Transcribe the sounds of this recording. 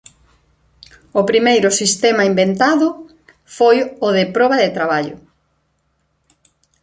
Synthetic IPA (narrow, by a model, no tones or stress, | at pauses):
ʊpɾimejɾʊsist̪ɛmaimbent̪aðʊ | fojʊðɪpɾɔβɐðɪt̪ɾaβaʎʊ̰